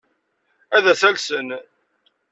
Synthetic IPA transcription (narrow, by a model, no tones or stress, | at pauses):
æðæθælsən